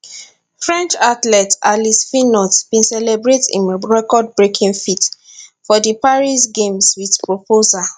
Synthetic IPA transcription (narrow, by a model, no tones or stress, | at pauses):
fɹɛ̃nt͡ʃatlɛtalisfĩnɔtb̥ĩnsɛlɛbɹetḭ̃nɹɛkɔd̚bɹekʰĩŋfit | fɔdipaɹisɡẽmswiθpɹopʰoza